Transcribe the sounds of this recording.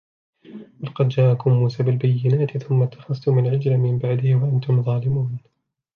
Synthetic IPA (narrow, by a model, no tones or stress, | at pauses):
balɑqɑd̪d͡ʒaːʔakʊmːuːsaːbɪlbajːɪnaːt̪ɪθʊmːat̪ːḁxɑst̪ʊmɪlʕɪd͡ʒlamɪmbaʕd̪ɪhwaʔant̪ʊmðˤɑːlɪmuːn